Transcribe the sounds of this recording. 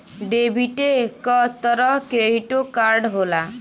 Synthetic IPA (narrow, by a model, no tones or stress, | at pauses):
ɖebʱiʈekɔt̪ɔɾɔkɾeɽiʈokaɾɖɦola